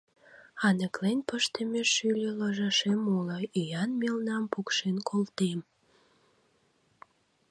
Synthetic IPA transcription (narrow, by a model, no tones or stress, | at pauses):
ɑnəklenpəʃt̪əmeʃylʲelɑʒɑʃemolɑijɑnmelnɑmpukʃenkʰolt̪em